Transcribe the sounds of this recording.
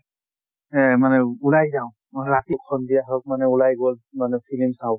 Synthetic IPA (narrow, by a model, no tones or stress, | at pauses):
ɛmanɛulajzaʊw̃ | mɔɹatikʰːɔndiaɹɔk̚manɛulajɡɔlmanɛpʰilimsaw